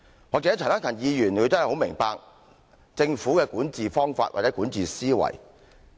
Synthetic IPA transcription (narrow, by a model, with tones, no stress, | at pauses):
wɔː˨k̚t͡sɛ˨˦˥tʰːt̪a˥ŋkʰɐ˨˩njiː˨˧jyː˨˩nkʰɵ˨˧t̪o˥hho˨˥wmɪ˨˩ŋpaː˧k̚ | t͡sɪ˧ŋfuː˨˥kɛː˧kuː˨˥nt͡siː˨fɔː˥ŋfaː˧t̚ʔa̰ː˨˩t͡sɛ˨˥kuː˨˥nt͡siː˨siː˥wɐ̰˨˩j